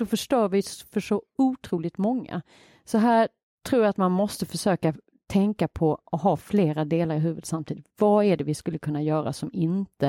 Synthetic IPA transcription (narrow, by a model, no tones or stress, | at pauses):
d̪̥ɔfœʂʈoːɾvɪfœʂɔuːt̪ʰɾuːlɪt̪mɔŋːa̰ | sɔɦæː | ʈʰɾuːjaat̪manmɔst̪əfœʂøːka | t̪ʰɛŋkapʰɔʔɔɦɑːfleːɾad̪eːlaɾɪɦʉ̟ːvəd̪samt̪ʰiːd̪ɪt̪vaæɖɛvɪskɵlːəkʰɵnːajœːɾa̰sɔmɪnt̪ə